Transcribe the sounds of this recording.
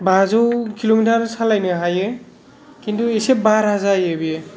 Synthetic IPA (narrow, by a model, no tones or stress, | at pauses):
bazɔwkʰilomitʰaɾsalajnɯɦaje | kintʰuesep̚baɾɦazajebije